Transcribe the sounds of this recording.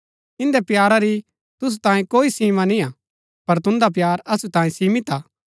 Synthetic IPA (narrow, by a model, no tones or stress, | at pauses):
ɪ̃nd̪epjaːɾaɾi | t̪ʊs̬ut̪ãːẽkoːisiːmãnĩa | pɐɾt̪ʊ̃nd̪ap̬jaːɾɐsut̪ãːẽsiːmɪt̪aː